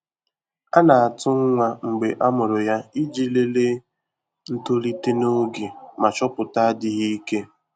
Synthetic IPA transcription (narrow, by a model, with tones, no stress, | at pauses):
a˦na˨a˨tʊ˦ŋ̩˦ŋʷa˨ŋ͡m̩˨ɡ͡be˨ʔa˦mʊ˨ɾʊ˨ja˦i˦d͡ʒi˦le˦le˦ | n̩˦to˦li˦te˦no˦ɡe˨ma˨t͡ʃɔ˦pʊ˨ta˦a˦dɪ˦ɣi˦i˦ke˦